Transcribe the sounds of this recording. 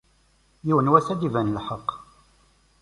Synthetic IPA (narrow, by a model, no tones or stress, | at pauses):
jiwənwæsæd̪ivænlħəqː